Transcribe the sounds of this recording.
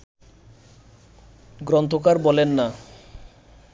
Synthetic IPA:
ɡɾɔnt̪ʰokaɾbɔlenːa

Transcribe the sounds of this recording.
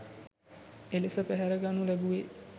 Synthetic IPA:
elesəpæɦæɾəɡanulɛbuʋe

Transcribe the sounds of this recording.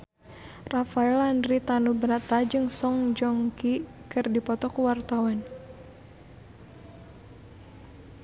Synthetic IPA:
rafaɛlandɾit̪anubəɾat̪ad͡ʒɨŋsɔŋd͡ʒɔŋkikɨrdipɔt̪ɔkuwart̪awan

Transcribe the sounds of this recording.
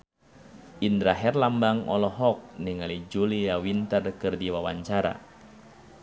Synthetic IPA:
ʔind̪ɾaɦɛrlambaŋɔ̰lɔɦɔk̚niŋalid͡ʒuliawint̪ərkɨrdiwawaɲt͡ʃaɾa̰

